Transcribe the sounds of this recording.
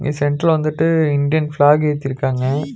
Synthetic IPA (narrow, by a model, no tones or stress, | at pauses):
ɡesɛɳʈɾɐlʋɐnd̪ɯʈːɯɪɳɖɪjɐnflaːɡeːt̪ːɪɾɯkːaːŋɡɐ